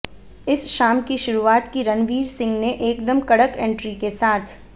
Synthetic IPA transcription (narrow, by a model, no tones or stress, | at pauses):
ɪsʃaːmkiʃʊɾuaːt̪kiɾɐnʋiːɾsɪ̃ŋɡneʔeːkd̪əmkɐɽəkɛ̃ːɳʈɾikesaːt̪ʰ